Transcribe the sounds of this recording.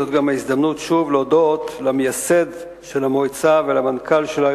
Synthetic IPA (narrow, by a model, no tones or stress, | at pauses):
ot̪ɡamaizd̪amnutʃuvlodo̞t̪lamejase̞d̪ | ʃe̞lamojt͡savelamankalʃela